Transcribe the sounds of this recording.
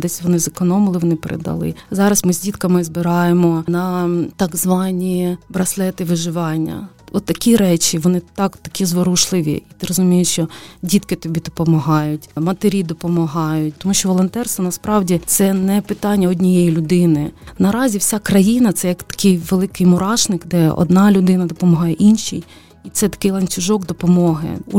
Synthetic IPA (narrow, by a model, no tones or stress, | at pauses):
d̪ɛsʲʋɔnɪzɐkɔnɔmɪlˠɪʋɔnɪpeɾḛd̪ɐ̰lˠɪ̰zɑɾɐsmɪzʲdʲit̪kɐmɪzbɪɾɑjemɔnɐt̪ɑɡzʋɑnʲibɾɐslˠɛt̪ɪʋɪʒɪʋɑnʲːɐ̰ɔt̪ːɐkʲiɾɛt͡ʃʲiʋɔnɪt̪ɑkt̪ɐkʲizʋɔɾuʃlˠɪʋʲḭit̪ɪɾɔzʊmʲijɪʃt͡ʃɔdʲit̪kɪt̪ɔbʲid̪ɔpɔmɐɦɑjʊtʲmɐt̪eɾʲid̪ɔpɔmɔɦɑjʊt̚ʲt̪ɔmuʃʲt͡ʃɔʋɔlˠɔnt̪ɛrst̪ʋɐnɐspɾɑwdʲit̪sɛnɛpɪt̪ɑnʲːɐɔdʲnʲijejilʲʊd̪ɪnɪnɐɾɑzʲiwsʲakɾɐjinɐt̪sɛjɐkt̪ɐ̥kʲɪjʋelˠɪkɪjmʊɾɑʃnɪkd̪ɛɔ̰d̪nɑlʲʊd̪ɪnɐd̪ɔpɔmɔɦɑjɛʔinʲʃḭj | it̪sɛt̪ɐ̥kɪjlˠɐnʲt͡sʲʊʒɔɡd̪ɔpɔmɔɦɪ̰